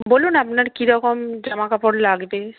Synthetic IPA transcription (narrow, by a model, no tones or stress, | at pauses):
bolunapnaɾkiɾɔkomd͡ʒamakapoɽlaɡbe